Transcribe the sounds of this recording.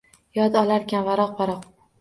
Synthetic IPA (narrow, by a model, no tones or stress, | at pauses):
jɒd̪ɒlaɾkʲanvaɾɒqvaɾɒq